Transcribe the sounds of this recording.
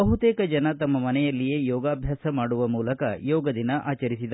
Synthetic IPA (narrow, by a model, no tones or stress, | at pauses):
ɐɦut̪eːkɐd͡ʒɐnɐt̪ɐmːɐmɐnɛjɐlːije̞ːjɔːɡaːbʱjaːsɐmaːɽuʋɐmuːlɐkɐ̰jɔːɡɐd̪inɐʔʔaːt͡ʃɐɾisid̪ɐ